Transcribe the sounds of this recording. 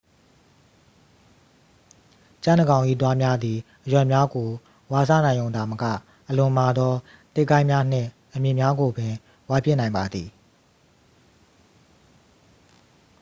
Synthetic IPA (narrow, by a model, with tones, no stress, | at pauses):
t͡ɕã˦˨nə˨ɡã˨ʊ̃ʔḭ˦˨t̪wa˦mja˦d̪i˨ʔəjwɛ˨mja˦ɡo˨ | wa˨sa̰˦˨nã˨ɪ̃jõ˨ʊ̃nd̪a˨məkä̰˦˨ | ʔəlʊ̃˨ma˨d̪ɔ˦ | t̪e˦˨kːã˦ɪ̃mja˦n̥ɪ̰̃˦˨ | ʔəmjɪ̃˨mja˦ɡo˨bɪ̃˨ | wa˦pjɪ˦˨nã˨ɪ̃mba˨d̪ði˨